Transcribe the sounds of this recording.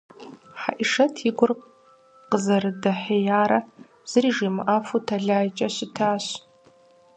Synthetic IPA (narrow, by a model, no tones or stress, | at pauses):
ħa̰ʔiʂɐtʰiɡʷʊrqʼ | qʼəzɐrɨdɐħejaːɾɐ | z̥ɨriʐimʔafutʰaɮaːjt͡ʃʼɐɕɪtʰaːɕ